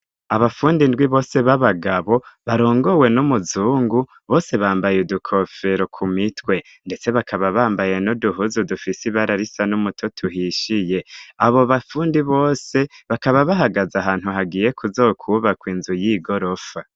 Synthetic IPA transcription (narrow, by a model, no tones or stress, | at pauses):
aβafuːndindɡwiβo̞ːse̞βaβaɡaβo̞βaɾo̞ːŋɡo̞we̞numuzuːŋɡu | βo̞ːse̞βaːmbajudukʰo̞fe̞ɾo̞kʰumitwe̞ | nde̞t͡se̞βakʰaβaβaːmbaje̞noduɦuzudufisiβaɾaɾisanumutʰotʰuɦiʃije̞aβo̞βafuːndiβo̞ːse̞βakaβaβaɦaɡazaɦaːn̥huɦaɡije̞kuzo̞ːkʰuβakwiːnzujiɡo̞ɾo̞fa